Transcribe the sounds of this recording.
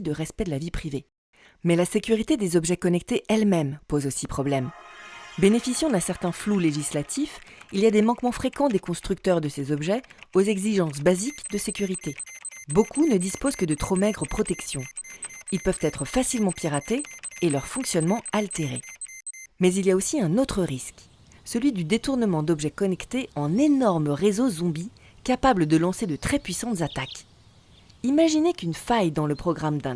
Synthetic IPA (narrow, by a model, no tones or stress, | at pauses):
d̪əʁɛspɛd̪əlavipχive | mɛlasekʲyʁit̪ed̪ezɔbʒɛkɔnɛk̚t̪eʔɛlmɛmpozosipχɔblɛm | benefisjɑ̃d̪ɛ̃sɛʁt̪ɛ̃fluleʒislat̪ʰifiliad̪emɑ̃kmɑ̃fχekɑ̃d̪ekɔ̃st̪χyk̚t̪œʁd̪əsezɔbʒɛozɛɡziʒɑ̃s̬bazikd̪əsekʲyʁit̪ebokʰunəd̪ispozkəd̪ət̪χomɛɡʁəpχɔt̪ɛksjɔ̃ilpœvt̪ɛt̪χəfasilmɑ̃piʁat̪eːlœʁfɔ̃ksjɔnmɑ̃alt̪eʁḛ | mɛziliaosiɛ̃not̪χəʁisk | səlɥid̪yd̪et̪uʁnəmɑ̃d̪ɔbʒɛkɔnɛkt̪eɑ̃nenɔʁməʁezozɔ̃bi | kapabləd̪əlɑ̃sed̪ət̪χɛpɥisɑ̃t̪zat̪ak | imaʒinekynfajd̪ɑ̃ləpχɔɡʁamd̪ɛ̃